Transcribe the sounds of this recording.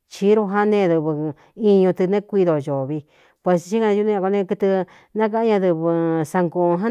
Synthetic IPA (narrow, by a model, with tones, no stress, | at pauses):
t͡ʃi˧˦ɾo˧ɦa˦nẽ˦˧˨ðɨ˧βɨ˧ | i˧ɲũ˧t̪ɨ˧nẽ˦kʷi˧ðo˧˨ʒo˨βi˧ | pwe˧st͡ʃi˦a˧u˧nĩ˦ã˧ko˧nẽ˧˦kɨ˧t̪ɨ˧ | nã˦k̬a˧ã˦ɲã˧ðɨ˧βɨ˧sa˧ŋɡõ˧ɦã˦